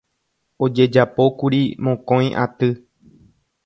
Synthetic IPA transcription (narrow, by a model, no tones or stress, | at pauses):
od͡ʒe̞d͡ʒapo̞kuɾimõkõj̃ʔa̰t̪ɨ